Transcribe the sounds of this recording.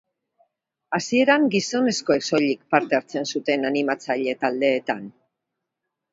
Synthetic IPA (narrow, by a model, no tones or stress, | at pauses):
asie̞ɾaŋɡiso̞ne̞sko̞e̞kso̞ʎikpaɾt̪e̞aɾt͡se̞nsut̪e̞nanimat͡saʎe̞t̪ald̪e̞ːt̪an